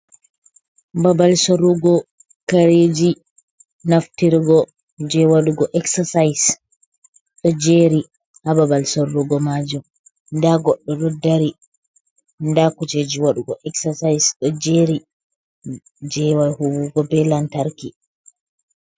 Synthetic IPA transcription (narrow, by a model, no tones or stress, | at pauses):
babalsoɾuɡɔ | kaɾeːd͡ʒi | naftiɾɡɔ | d͡ʒɛwaɗuɡɔʔɛksasajs | ɗɔd͡ʒeɾi | hababalsoɾːuɡɔmad͡ʒum | ndaɡɔɗːɔdɔdːaɾi | ndakut͡ʃed͡ʒiwaɗuɡɔʔɛksasajsɗɔd͡ʒeɾi | d͡ʒɛwahuwuɡɔbɛlantaɾki